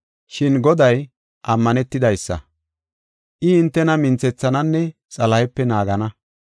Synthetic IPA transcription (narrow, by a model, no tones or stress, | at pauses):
ʃɪnɡɔd̪ɐj | ʔɐmːɐnɛt̪ːɪd̪ɐjsːɐ̰ | ʔɪɪnt̪ːɛnɐmɪnt͡sɛt͡sːɐnɐnːɛ | t͡sʼɐlɐjɛpːɛnaːɡɐnɐ